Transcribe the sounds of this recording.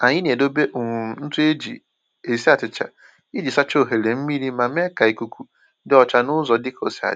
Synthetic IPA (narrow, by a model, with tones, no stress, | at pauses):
a˨ɲɪ˦n˨e˨do˦be˦ʔŋ˨n̩˦tʊ˦e˦d͡ʒḭ˨ | e˨si˦a˨t͡ʃɪ˨t͡ʃa̰˨ | i˦d͡ʒi˨sa˦t͡ʃo˦˨ɦe˨le˨m̩˦mi˦ɾi˦ma˨m˦e˦ka˨i˨ku˦kʰu˦ | dɪ˦ɔ˨t͡ʃa˨nʊ˦zɔ˨dɪ˦ko˨si˨a̰˨